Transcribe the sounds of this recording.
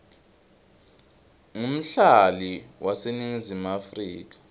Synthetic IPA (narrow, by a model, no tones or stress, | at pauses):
ŋum̩ɬaliwʔaseniŋizimafriːk̬ḁ